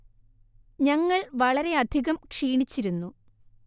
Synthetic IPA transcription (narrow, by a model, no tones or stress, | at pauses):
ɲɐŋːɐɭʋɐɭɐɾe̞ɐd̪ʱiɣɐmkʂiːɳit͡ɕːiɾunːu